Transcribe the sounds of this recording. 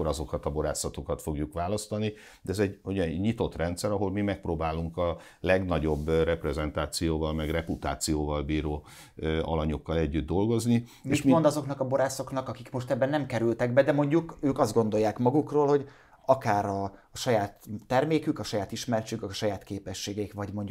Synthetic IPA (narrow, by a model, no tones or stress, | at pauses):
oɾɒzo̞kɒt̪ɒbo̞ɾa̰ːsɒt̪o̞kɒt̪fo̞ɡjukʋaːlɒst̪ɒni | d̪ɛɛzɛɟhoɟɛɲit̪o̞t̪rɛnt̪sɛɾɒɦo̞lmimɛk̚proːbaːluŋkɒ | lɛɡnɒɟo̞bːrɛprɛzɛnt̪aːt̪sijoːvɒlmɛɡrɛput̪a̰ːt̪sijoːvɒlbiːɾoː | ɒlɒɲokːɒlɛɟːyd̪̚ːo̞lɡo̞zni | meiʃt̪mod̪ɒzo̞knɒkɒbo̞ɾaːso̞knɒkɒkikmo̞ʃt̪ɛbːɛnɛmkɛɾylt̪ɛɡbɛd̪ɛmo̞ɲɟukøːkɒzd̪ɡo̞nd̪o̞jːaːkmɒɡukroːlho̞ɟ | ɒkaːɾɒ | ʃɒjaːt̪ːɛrmeːkykɒʃɒjaːt̪iʃmɛrt͡ʃykɒʃɒjaːt̪keːpɛʃːeːɡɛikʋɒɟmo̞ɲɟ